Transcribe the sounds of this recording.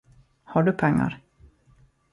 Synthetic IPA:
haɖɵpʰɛŋːa̰ɾ

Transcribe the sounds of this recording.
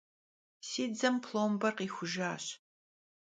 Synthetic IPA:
siːd͡zɐmpʰloːmbɐrqiːxʷʊʒaːɕ

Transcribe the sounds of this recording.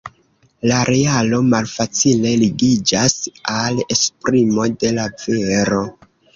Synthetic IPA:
laɾe̞alo̞malfat͡sile̞liɡid͡ʒasale̞spɾimo̞de̞laveɾo̞

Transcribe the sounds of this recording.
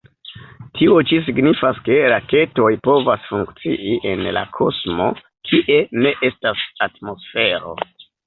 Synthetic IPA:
tʰiot͡ʃis̬iɡnifaske̞ɾake̞to̞jpo̞vasfuŋkt͡sḭʔiʔe̞nla̰kʰo̞smo̞ | kʰiʔe̞ne̞ʔe̞stasatmo̞sfe̞ɾo̞̰

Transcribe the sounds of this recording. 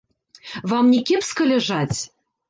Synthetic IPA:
vɑmnʲikʲepskɤ̆lʲɘ̆ʒɑtʲ

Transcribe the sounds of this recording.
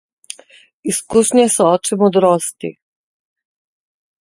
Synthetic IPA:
iskuʃɲɛsɛɔːt͡ʃɛmɔd̪ɾɔːst̪ḭ

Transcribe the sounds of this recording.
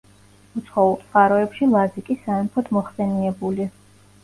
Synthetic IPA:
ut̪sʰχɔulˠt̪sʼχʼaɾɔɛpʃilˠazikʼisaɛmpʰɔd̪mɔχsɛniɛbuli

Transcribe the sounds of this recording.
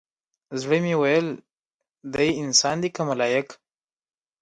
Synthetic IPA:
zɽəmiwajəl | d̪ajɪnsɑnd̪ikamalɑjak

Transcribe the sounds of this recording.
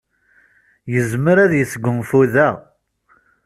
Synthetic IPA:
jəzməɾæðjəsɡʷːəmfuðæ

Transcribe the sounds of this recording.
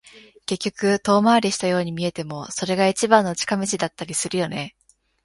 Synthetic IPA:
ke̞kʲːo̞kɯ̟t̪o̞ːmaːɾʲiɕi̥t̪ajo̞ːɲ̟imʲie̞t̪e̞mo̞so̞ɾe̞ɡait͡ɕibãnːot͡ɕi̥kameɕid̪at̪ːaɾʲisɨɾɯ̟jo̞ne̞

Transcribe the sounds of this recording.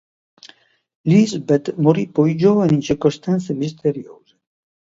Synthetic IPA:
lizbɛt̪moɾipɔjd͡ʒoːvaniint͡ʃiɾkost̪ant̪semist̪eɾjoːze

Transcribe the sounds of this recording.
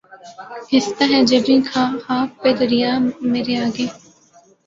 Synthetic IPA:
hɪst̪aɦɛd͡ʒɐbĩːkʰãːhaːppːeːd̪ɐɾijaːmeːɾeaːɡeː

